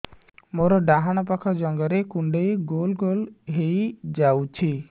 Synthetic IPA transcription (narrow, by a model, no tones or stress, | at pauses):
moɾɔɖaɦaɽ̃ɔpakʰɔd͡ʒɔŋɡɔɾekuɳɖejɡolɡolɦejd͡ʒawt͡ʃʰi